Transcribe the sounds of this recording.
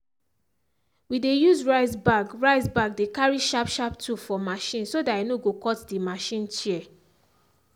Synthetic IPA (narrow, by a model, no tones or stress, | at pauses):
widejuzɹaɪzbaɡɹaɪzbaɡ̚dekaɹiʃapʃap̚tʰufɔmaʃĩnsodaenoɡokɔtdimaʃĩnt͡ʃiɛ